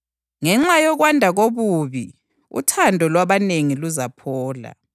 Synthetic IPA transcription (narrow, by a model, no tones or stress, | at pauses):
ŋɛŋ͡ǁajɔɣwandʱaɣoβuβi | ṵtʰandʱɔlwaβaneŋiluzapʰɔːla̰